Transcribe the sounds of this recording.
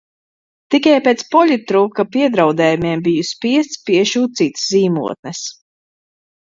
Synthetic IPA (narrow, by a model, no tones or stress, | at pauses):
t̪ikajpeːt̪spɔlʲit̪ːɾuːkapiɛd̪ɾawd̪ɛːjumʲɛmbijuspiɛst̪spiɛʃuːt̪̚siːt̪sziːmṵɔt̪̚nɛs